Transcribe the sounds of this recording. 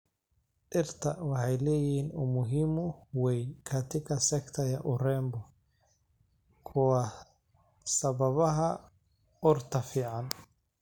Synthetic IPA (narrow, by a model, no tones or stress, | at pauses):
ʔɪrt̪ʰɐwɑħɑjlɛːjɪhiːnʊmʊɦiːmʊwɛjkʰɐt̪ʰɪkʰɐsɛkt̪ʰɐjɐʔʊrɛːmbɔ | kʰʊwɑ | sɐβɐβɐɦɐ | ɔrt̪ʰɐfiːʕɑn